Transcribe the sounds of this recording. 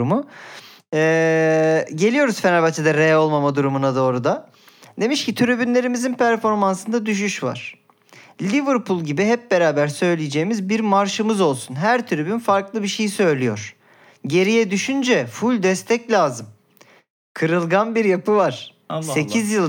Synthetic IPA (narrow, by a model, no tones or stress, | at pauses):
umu | ɛː | ɟe̞lʲijo̞ɾuz̥fenabat͡ʃ̪ʰɛd̪ɛɾejo̞lˠmamad̪uɾumunad̪o̞ːɾud̪a | d̪e̞miʃcit̪ʰyɾybynlʲe̞ɾimizinpʰæɾfo̞ɾmansɯnd̪ad̪yʃ̬yʃva̰ɾ̥ | lʲivɯɾpʰulˠɟibiɦɛp̚be̞ɾaːbæɾsø̞jlʲijed͡ʒe̞jimizbiɾmaɾʃɯmɯzo̞lˠsunɦæɾt̪ʰyɾybynfaɾklˠɯbiʃe̞jisø̞jlʲijo̞ɾ̥ | ɟe̞ɾijɛd̪yʃynd͡ʒɛfulʲd̪ɛst̪ʰɛclʲaːzɯm | kʰɯɾɯlˠɡanbiɾjapɯvaɾ̥ | se̞cʰizjɯlˠ